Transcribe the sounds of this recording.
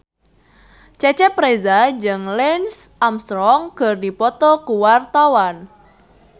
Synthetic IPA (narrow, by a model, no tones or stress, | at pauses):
t͡ʃɛt͡ʃɛpɾezad͡ʒɨŋlɛnsʔamst̪ɾɔŋɡ̥ərdipɔt̪ɔkuwart̪awan